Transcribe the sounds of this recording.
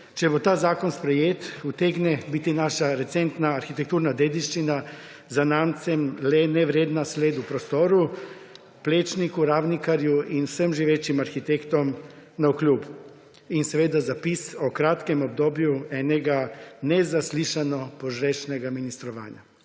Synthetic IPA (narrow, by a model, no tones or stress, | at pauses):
t͡ʃɛbot̪aːzaːkɔnspɾɛjeːt̪ut̪eɡnɛbit̪inaːʃaɾɛt̪sɛnt̪naːɾxit̪ɛk̚t̪uːɾnad̪eːd̪iʃt͡ʃina | zanaːmt̪sɛmlɛnɛʋɾeːd̪nasleːd̪upɾɔst̪oːɾu | pleːt͡ʃnikuɾaːwnikaɾjuinwsəmʒiʋeːt͡ʃimaɾxit̪ekt̪ɔm | nauklʲuːbu | insɛʋeːd̪azapisɔkɾaːt̪kɛmɔb̚d̪oːbjuɛːnɛɡanɛzasliːʃanɔpɔʒɾɛːʃnɛɡaminist̪ɾɔʋa̰ːnja̰